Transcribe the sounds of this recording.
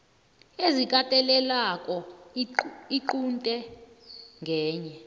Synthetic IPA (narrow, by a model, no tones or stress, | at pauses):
ezikʼatʼɛlɛlakʼɔ | iǃuntʼɛ | ŋɡʱɛːɲɛ